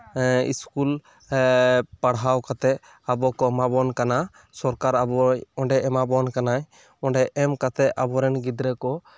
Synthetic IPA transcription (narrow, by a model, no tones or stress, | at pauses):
ḭskul | paɽɦawkat̪ɛ | abɔkɔmabɔnkana | sɔɾkaɾabɔɔ̃ɳɖɛʔɛmabɔnkanaj | ɔɖɛʔɛmkat̪ɛa̰bɔɾɛnɡid̪ɾɛkɔ